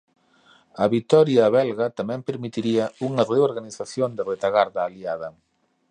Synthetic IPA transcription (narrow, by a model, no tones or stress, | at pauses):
ɐβit̪ɔɾjaβɛlɣɐt̪amɛ̃mpeɾmit̪iɾiɐuŋɐðeoɾɣaniθaθjond̪ɪret̪aɣaɾðɐːliaðɐ